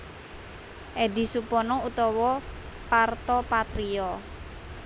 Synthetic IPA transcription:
ʔedi̤supɔnɔut̪ɔwɔ | part̪ɔpat̪ɾiɔ

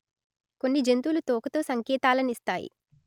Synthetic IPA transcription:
ko̞nːid͡ʒe̞nt̪uːlut̪ɔːkɐt̪o̞ːsɐŋkɛːt̪aːlɐnist̪aːjḭ

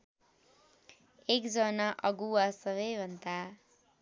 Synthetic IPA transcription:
ekd͡zʌnʌʔʌɡuwasʌβʌjbʱʌnt̪a

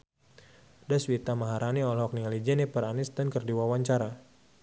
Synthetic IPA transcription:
daswit̪amaɦaɾaniɔlhɔk̚niŋalid͡ʒɛnipəɾanɪsdankərdiwawaɲt͡ʃaɾa

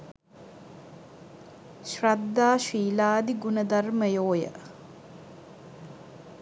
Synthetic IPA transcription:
ʃrad̪ːaːʃiːlaːd̪iɡunəd̪arməjoːjə̰

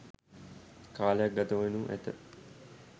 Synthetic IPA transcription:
kʰaːlejak̚ɡɐt̪əʋenuʔæ̰t̪ə

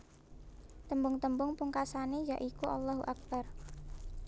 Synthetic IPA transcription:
t̪əmbʊŋt̪əmbʊŋpuŋkasaned͡ʒaʔikuʔalːaɦuʔak̚bar

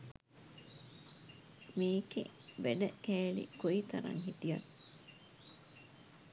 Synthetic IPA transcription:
miːkḛʋeɖəkeːlḭkoit̪ɐɾɐ̰ŋɦit̪ijɐn

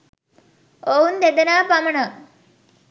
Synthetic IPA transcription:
ound̪ed̪ənaːpaməɳə

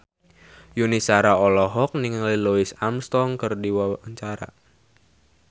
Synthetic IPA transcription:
junisaɾaɔlɔɦɔk̚niŋliluisamst̪ɔŋkɨrdiwaəɲt͡ʃaɾa̰

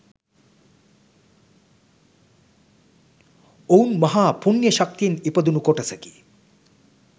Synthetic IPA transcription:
ounmɐɦaːpunjəʃak̚t̪ijenipəd̪unukoʈɐsəki

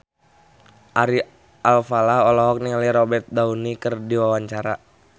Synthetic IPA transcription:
ʔaɾi | ʔalfalahɔlɔɦɔk̚niŋaliɾɔbɛrt̪̚daunikərdiwawaɲt͡ʃaɾa

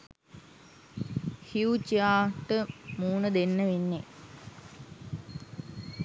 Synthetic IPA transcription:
hiut͡ʃiaːʈəmuːnəd̪enːəʋenːe

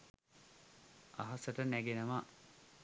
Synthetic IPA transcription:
a̰ɦasəʈənæɡenəʋa

